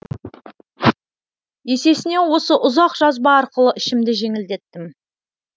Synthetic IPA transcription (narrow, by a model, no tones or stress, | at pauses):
je̞se̞sɪne̞wo̞səʔʊzɑqʒ̥ɑzbɑɑɾqəlˠəʔɪʃɪmd̪ɪʒe̞ŋɪld̪e̞t̪ːɪm